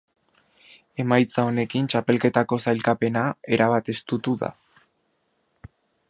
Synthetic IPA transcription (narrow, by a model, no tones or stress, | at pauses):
e̞majt͡sao̞ne̞kint͡ʃape̞lke̞t̪ako̞sajlkape̞nae̞ɾaβat̪e̞st̪ut̪uða̰